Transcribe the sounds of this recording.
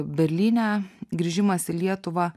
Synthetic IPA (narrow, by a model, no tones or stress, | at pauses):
bʲɛɾʲlʲiːnʲæːɡɾʲiːʒʲɪmɐsɪlʲiɛt̪ʊʋɑː